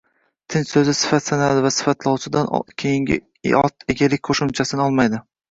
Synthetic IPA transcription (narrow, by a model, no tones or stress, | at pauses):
t̪ʰɪnt͡ʃsɵzɪsɪ̥fat̪sanad̪ɪvasɪ̥fat̪ʰlˠɒwsɪd̪an̰kʲʰejɪŋʲɪ̰ | ɒ̰t̪eɡʲalɪkʲqʰoʃɪmt͡ʃʰasɪnɪɒlˠmajd̪ɪ